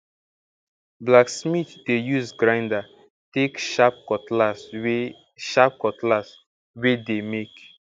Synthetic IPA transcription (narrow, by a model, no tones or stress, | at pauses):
blaksmitdejuzɡɹãɪ̃nda | tekʃap̚kɔtlas | ʃap̚kɔtlas | wedemek